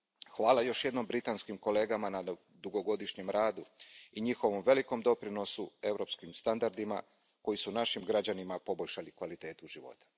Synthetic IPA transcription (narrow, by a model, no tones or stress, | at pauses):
xʋaːlajo̞ʃje̞d̪no̞mbɾit̪anskimko̞le̞ːɡamana | d̪uɡo̞ɡo̞d̪iʃɲe̞mɾaːd̪uiɲixo̞ʋo̞mʋe̞liko̞md̪o̞pɾino̞sue̞vɾo̞pskimst̪and̪aɾd̪ima̰ | ko̞jisunaʃimɡɾad͡ʑanimapo̞bo̞ʎʃalikʋalit̪e̞ːt̪uʒiʋo̞̰t̪ḁ